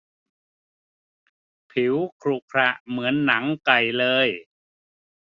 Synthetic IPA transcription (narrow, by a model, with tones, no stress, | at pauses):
pʰi˩˦wkʰɾuː˨˩kʰɾa˧˩ʔmɯ˩˦ənːa˩˦ŋka˨˩jlɤː˧j